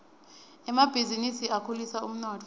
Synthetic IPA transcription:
ɛmab̥ʱizinisiakʰulisaum̩nɔːtʰ

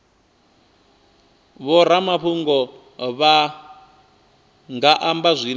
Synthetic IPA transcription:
βɔɾamaɸuŋɡɔ | βa | ŋɡaʔambazʷin

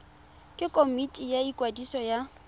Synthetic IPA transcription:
kʼɪkʼomitʼijaikʼwadisɔja

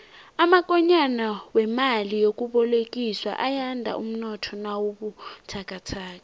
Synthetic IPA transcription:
amak̬ʼɔɲanawɛmalijok̬ʼuɓɔlek̬ʼiswa̰ʔajandʱa̰ʔum̩nɔtʰɔnawoɓutʰak̬ʼatʰaːk̬ʼa

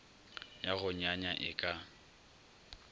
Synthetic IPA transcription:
jaɣʊɲaɲaʔɪkʼa

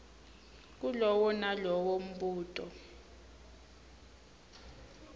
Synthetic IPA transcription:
k̬ulɔwɔnalɔwom̩ɓuːtʼɔ

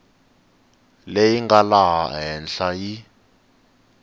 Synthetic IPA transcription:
lejiŋɡalaɦa̰ɦɛnɬaji

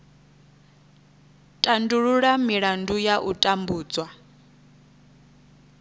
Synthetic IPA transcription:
tʼanduɺuɺamiɺandujaʔutʼambuːd͡zwa

